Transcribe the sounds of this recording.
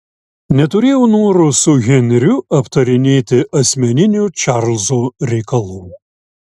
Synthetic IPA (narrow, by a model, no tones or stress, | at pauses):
nʲɛt̪ʊɾʲeːjɛʊnoːɾʊsʊɣʲɛnʲɛɾʲʊɐpt̪ɐɾʲɪnʲeːt̪ʲɪʔɐsʲmʲɛnʲɪnʲuːt͡ʃɑɾlʲˠzoːɾʲɛɪkɐlˠuː